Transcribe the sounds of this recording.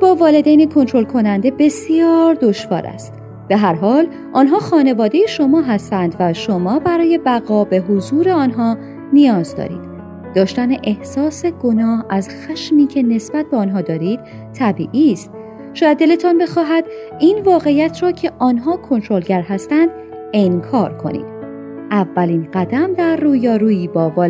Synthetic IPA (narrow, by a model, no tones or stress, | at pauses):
bɒːvɒːle̞d̪ejnekʰo̞nt̪ʰɾo̞lkʰo̞nænd̪e̞be̞sijɒːɾd̪oʃvɒ̰ːɾæ̰st̪ | b̥e̞ɦæɾɦɒːl | ʔɒːnɦɒːxɒːne̞vɒːd̪e̞jeʃo̞mɒːɦæst̪ænd̪væʃo̞mɒːbæɾɒːje̞bæɣɒːbe̞ɦozuːɾe̞ɒːnɦɒː | nijɒːzd̪ɒ̰ːɾḭːd̪̥ | d̪ɒːʃt̪æneʔehsɒːse̞ɡ̥onɒːhæzxæʃmiːcʰe̞ne̞sb̥æt̪̚beɒːnɦɒːd̪ɒːɾiːd̪̥ | t̪ʰːæbḭːʔiːst̪̚ | ʃɔːjæd̪ːe̞let̪ʰɒnbe̞xɒːɦæd̪̥ | iːnvɒːɣe̞ijæt̪ʰɾɒːcʰe̞ʔɒːnɦɒːkʰo̞nt̪ʰɾo̞lɟæɾɦæst̪ænd̪̥ | eŋkʰɒːɾkʰo̞̰nḭːd̪̥̚ | ʔævːæliːnɢæd̪æmd̪æɾːuːjɒːɾuːiːbɒːvɒː